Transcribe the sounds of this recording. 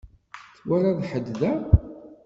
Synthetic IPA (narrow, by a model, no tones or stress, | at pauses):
θwaɾaðħəd̪ðæ